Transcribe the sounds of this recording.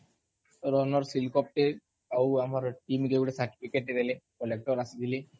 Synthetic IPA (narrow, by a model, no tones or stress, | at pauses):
ɾɔnɔɹsilkɔp̚tɛ | awamaɹʈimkeɡuɾɛsaɹʈi̥pʰiketːɛɾɛlɛkɔlɛk̚ʈɔɹasid̪ilɛ